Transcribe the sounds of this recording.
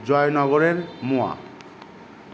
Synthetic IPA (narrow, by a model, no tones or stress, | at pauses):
d͡ʑɔenɔɡoɾeɾmoa̰